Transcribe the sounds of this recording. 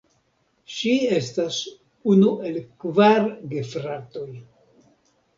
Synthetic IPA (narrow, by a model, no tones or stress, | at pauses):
ʃie̞stas | unuʔe̞lkvaɾɡefɾato̞j